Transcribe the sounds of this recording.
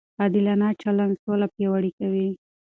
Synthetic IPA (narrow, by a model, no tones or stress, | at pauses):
ad̪ɪlanɑt͡ʃaland̪solapjawaɽikawi